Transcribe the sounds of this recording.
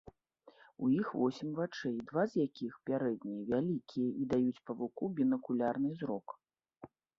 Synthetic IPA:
ṵjixvɔsʲimʲvat͡ʂɛjd̪vazjakʲixpʲaɾɛd̪̚nʲijɐvʲalʲikʲijɐʔid̪ajut͡sʲpɐvukubʲinɐkulʲarnɨzɾɔk

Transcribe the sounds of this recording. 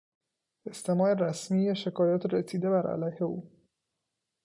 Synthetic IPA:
e̞st̪ʰe̞mɒːeɾæsmiːjeʃe̞kʰɒːjɒːt̪ʰɾesiːd̪e̞bæɾʔæ̰læjhe̞uː

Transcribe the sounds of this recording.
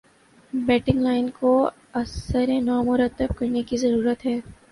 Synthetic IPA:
bɛːʈɪ̃ŋɡlaːɪnko | ɐsəɾẽnɔːmʊɾət̪ːəb̚kɐɾnekizɐɾuːɾət̪ɦɛː

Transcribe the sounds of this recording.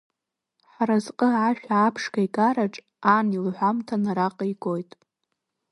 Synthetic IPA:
ħaɾazqʼəʕaʃᶣaːpʰʂkʰajkʼaɾaʈ͡ʂʼ | anilħʷamtʰanaɾaqʼaiɡojtʼ

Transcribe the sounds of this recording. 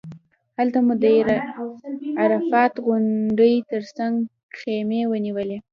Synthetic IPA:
halt̪amud̪əɾ | aɾafɑt̪ɣʊɳɖəjt̪əɾsaŋɡ | xemewəniwəle

